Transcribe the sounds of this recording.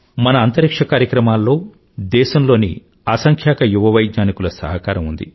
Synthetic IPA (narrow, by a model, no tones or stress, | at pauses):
mɐnɐːnt̪ɐɾikʂɐkaːɾjɐkɾɐmaːlːo̞ː | d̪ɛːʃɐmlo̞ːnḭ | aːsɐŋkʰjaːkɐjuʋɐʋɐjɡnaːnikulɐsɐ̰ɦɐkaːɾɐmund̪ḭ